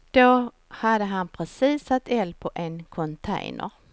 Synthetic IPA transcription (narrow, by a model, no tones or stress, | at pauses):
d̪̥o | had̪əɦanpʰɾɛsiːsːat̪ːɛlpʰɔʔɛnkʰɔnt̪ʰɛ̰jnʔə̰ɾ